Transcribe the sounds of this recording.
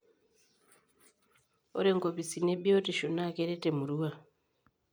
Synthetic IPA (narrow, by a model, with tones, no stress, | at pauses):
o̰˦ɾe˦ŋko˨pi˨si˨ne˦bjo˦ti˨ʃu˨na˦ke˦ɾe˦te˨mu˨ɾuwa˨